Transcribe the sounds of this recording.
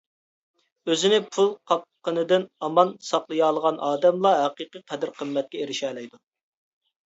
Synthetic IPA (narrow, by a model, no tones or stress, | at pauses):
øzɪnɪpʰulˠqʰɑp̚qənɨd̪ɪnɑmɑnsɑqlˠɨjɑːlˠəʁɑnʔɑːd̪ɛmlˠɑɦɛqiqɨqʰɛd̪ɪɾqʰəmːɛt̪̚kʲɛeɾɪʃɛːlɛjd̪u